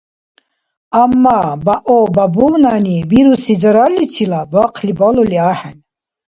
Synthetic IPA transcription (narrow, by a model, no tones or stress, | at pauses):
amːabaʔɔbabunaniviɾusid͡zəɾalːit͡sʰilabaqʰlibɔlɔliaːħan